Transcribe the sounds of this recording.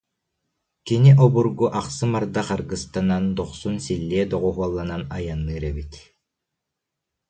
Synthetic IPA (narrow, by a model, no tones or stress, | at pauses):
kiniʔɔbuɾɡuʔaqsɯmaɾd̪aqaɾɡɯst̪anand̪ɔχsunsilʲːiɛd̪ɔʁɔɦuɔlˠːananajanːɯːɾɛbit̪